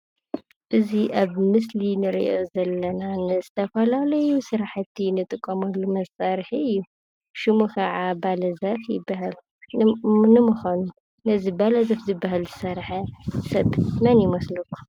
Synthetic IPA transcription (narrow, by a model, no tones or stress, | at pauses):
ʔɨziʔaβmɨslinɨɾḭʔozɐlːɐnanɨzɨt̪ʰɐfɐlalɐjusɨɾaħt̪ʰːinɨt̪ʼɨkʼːɐmɐlːumɐsʼaɾħiɨjːu | ʃɪmukʰɐʕabalɐzɐfjɪbːaɦal | nɨmɨxanu | nɐzibalɐzɐfzɨbːaɦalzɨsɐɾħɐsɐβmɐnjɪmɐslɐkʰːu̥